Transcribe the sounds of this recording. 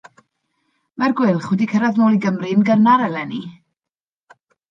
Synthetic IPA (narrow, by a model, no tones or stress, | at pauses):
marɡwɪlˠχwɛdikʰəɾaðnoːlˠiɡəmrinɡənaɾɛlɛni